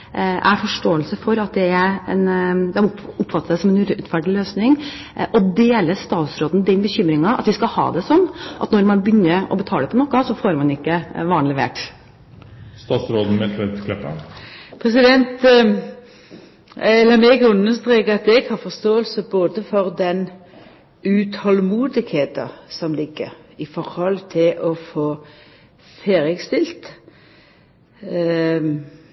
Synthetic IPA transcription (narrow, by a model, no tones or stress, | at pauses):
ʔæɾfɔʂʈoːəlsəfɔɾɑt̪̚d̪ɛæɛnd̪ɛɑʊpːfɑt̪ːəsæɪsɔmɛnʉʉt̪fæɖɪløːsnɪŋ | ʔɔd̪eːləst̪ɑːt̪sɾoːd̪nd̪ɛnbəçʏmɾɪŋɑʔɑ̰t̪ʋɪskɑhɑ̰ːd̪ɛsɔnːʔɑt̪nɔɾmɑnbʏnːəɔ̰bət̪ʰɑːəpʰɔnɔkːəsɔfoːɾmɑnɪkːəʋɑːnlɛʋḛːʈ | st̪ɑːt̪sɾoːd̪n̩mɛt̪ʰɛt̪kʰlɛpːə̰pʰʁɛsɪd̪ɛnt̪ | lɑːmɛɡəʉnːəst̪ɾeːkəɑt̪̚ɛɡhɑːfɔst̪oːəlsəboːd̪əfɔɾd̪ɛn | ʉt̪hɔlmuːd̪ɪɡheːt̪ɑsɔmlɪɡə̰ɾɪfɔɾhɔlt̪ʰɪlʔɔfoː | feːɾɪəɡst̪ɪlt̪